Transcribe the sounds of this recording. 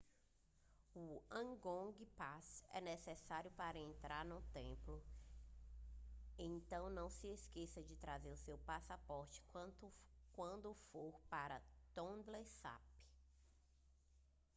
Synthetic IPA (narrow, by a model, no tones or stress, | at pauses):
uɐ̃ɡõɡipasɛ̰nesesaɾjʊpaɾɐẽnt̪ɾaɾnũt̪ẽplʊ | ẽt̪ɐ̃w̃nɐ̃w̃sɪeskesɐd͡ʒɪt̪ɾazeɾʊsewpasapɔɾt͡ʃɪ̥ | kwɐ̃nd̪ʊfoɾpaɾɐt̪õd̪lesa̰p